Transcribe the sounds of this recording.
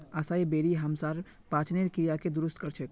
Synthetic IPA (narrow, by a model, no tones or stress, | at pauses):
asaebeːɾiɦɐmsaːɾ | pãːt͡ʃʰneɾkijaked̪ʊɾʊst̪̚kəɾt͡ʃʰek